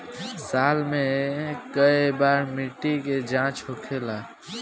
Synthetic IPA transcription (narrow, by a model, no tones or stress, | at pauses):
salmẽkəebaɾmiʈiked͡ʒãt͡ʃɦokʰela